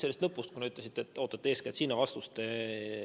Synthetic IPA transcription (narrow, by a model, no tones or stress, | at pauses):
selist̪nɤpːˑust̪kuneyt̪lesit̪ːet̪ːˑo̞ːt̪ːˑɑt̪ːeeːsket̪siːnːɑvɑst̪ust̪e